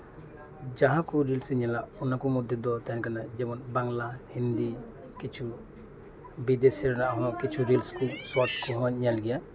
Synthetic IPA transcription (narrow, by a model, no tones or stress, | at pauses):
d͡ʒaɦãkuɾilsɛɲɛlaʔunakɔmud̪ʱjɔd̪ɔt̪ankanad͡ʒɛmɔnbaŋlahind̪i | kit͡ʃʰu | bid̪esɛɾnaʔɦɔnɔkit͡ʃʰuɾilskusɔt͡ʃkuɦɔ̃ɲɲɛlɡɛja